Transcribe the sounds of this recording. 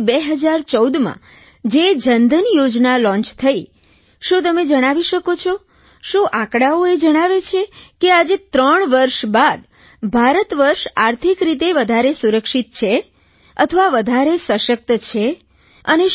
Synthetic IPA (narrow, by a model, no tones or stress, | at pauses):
beɦəd͡ʒaɾt͡ʃəwd̪mã̰ | d͡ʒed͡ʒənd̪ənjod͡ʒnalɔ̃ɲt͡ʃt̪ʰəi | ʃũt̪̬əmed͡ʒəɽ̃aʋiʃəkot͡ʃʰɔ | ʃũʔãkɽaoed͡ʒəɽ̃aʋet͡ʃʰekead͡ʒet̪ɾəɳ̃ʋəɾʃbad̪ | bʱaɾət̪ʋəɾʃaɾt̪ʰikɾit̪̬eʋəd̪ʱaɾesuɾəkʃit̪̚t͡ʃʰe | ə̰t̪ʰəʋaʋəd̪ʱaɾesəʃək̚t̪t͡ʃʰe | əne